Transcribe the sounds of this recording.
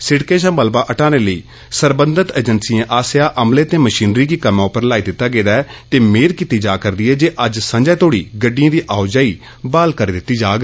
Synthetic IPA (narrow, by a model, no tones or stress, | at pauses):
sɪɽkeːʃãːbəlbaːʔəʈaːneːləiː | səɾbə̃nd̪ət̪əd͡ʒənsiːãːʔaːsɪjaːʔəmleːt̪eːməʃiːnɾiːɡiːkəmãːʊpəɾlaːiːd̪ɪt̪ːaːɡeːd̪aːɛt̪eːmeːɾkiːt̪iːd͡ʒaːkəɾd̪iːɦɛːd͡ʒeːʔəd͡ʒsə̃d͡ʒaɛːt̪ʰoːɽḭːɡəɖːijãːd̪iːʔaːʊd͡ʒaːiː | baːlkəɾiːd̪ɪt̪ːiːd͡ʒaːɡ